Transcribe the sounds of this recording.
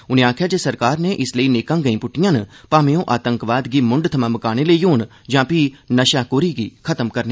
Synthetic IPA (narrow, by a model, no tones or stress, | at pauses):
ʊniãːkʰjaːd͡ʒesɐɾkaːɾnẽʔɪsləineːkãːɡɐĩːpʊʈːijãːnpaːmejõʔaːt̪ə̃ŋkʋaːd̪ɡimʊ̃ɳɖt̪ʰəmãːməkaːñelejoːn | d͡ʒãːpinɐʃaːkoːɾiɡiːkʰɐt̪əmkɐɾne